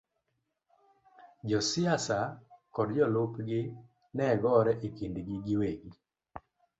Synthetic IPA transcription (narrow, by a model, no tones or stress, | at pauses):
d͡ʒɔsɪasakɔdd͡ʒɔlopɡɪ | nɛɡɔɾɛʔekindɡiɡɪweɡi